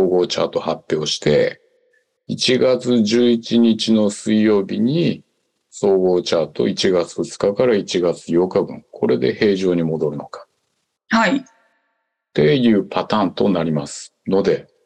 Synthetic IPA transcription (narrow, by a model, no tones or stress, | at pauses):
oːɡo̞ːt͡ɕa̰ːt̪o̞hapːjeːɕi̥t̪e̞̰ | it͡ɕiɡat͡sɨʑɨːit͡ɕiɲit͡ɕino̞sɨijo̞ːbʲiɲ̟i | so̞ːɡo̞ːt͡ɕaːt̪o̞̰it͡ɕiɡat͡sɨ̥ɸɯ̟t͡sɨ̥kakaɾait͡ɕiɡat͡sɨjo̞kabɯ̟̰̃ŋkʰo̞ɾe̞d̪e̞he̞ːʑo̞ːɲ̟imo̞d̪o̞ɾɯ̟no̞kḁ | hai | t̪e̞jɯ̟ːpʰat̪ãːnt̪o̞naɾʲimasɨ̥ | no̞d̪e̞